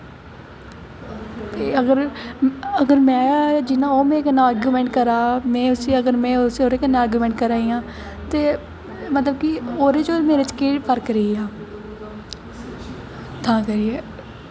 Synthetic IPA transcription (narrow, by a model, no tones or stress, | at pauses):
eəɡəɾ | əɡəɾmɛ̃ːd͡ʒɪnãːoːmẽːkənãːəːɾɡjuːmɛ̃ːɳʈ̚kəɾaːmɛ̃ːʊsiːəɡəɾmɛ̃ːʊseoːɾeːkənːãːaːɾɡjuːmɛ̃ɳʈkəɾaːiːãː | t̪eː | mət̪ləbkioːɾeːt͡ʃoːɾmeːɾet͡ʃkiːʈpʰəɾkɾəiːaː | t̪ãːkəɾiɛː